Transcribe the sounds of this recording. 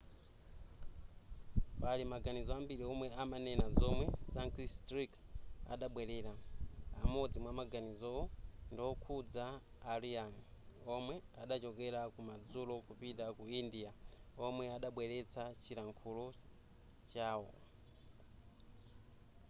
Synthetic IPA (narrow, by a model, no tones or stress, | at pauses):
palimaɡanizɔambiɾiɔmwɛamanɛnazɔmwɛsaŋkistɾiksa̰ɗaɓwɛɾɛːɾaa̰mɔd͡zimwamaɡanizɔɔndiwɔkʰud͡zaː | ɾianɔmwɛaɗat͡ʃɔkɛɾakumad͡zulɔkupintakuindiaɔmwɛaɗaɓwɛɾɛt͡sʰat͡ʃiɾaŋkʰulɔ | t͡ʃaːwɔ